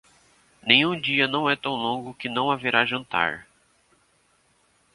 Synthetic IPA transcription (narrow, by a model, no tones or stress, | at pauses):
nẽj̃ũd͡ʒiɐnɐ̃w̃ɛt̪ɐ̃w̃lõɡʊkɪnɐ̃w̃aveɾaʒɐ̃nt̪a̰ɾ